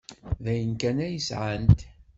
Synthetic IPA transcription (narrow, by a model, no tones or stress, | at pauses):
ðæjənkænæjəsʕant̪